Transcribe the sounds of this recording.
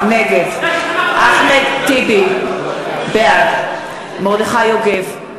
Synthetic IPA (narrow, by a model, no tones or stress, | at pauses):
neɡedʔaχmet̪ibi | bead | moʁd̪eχajoɡev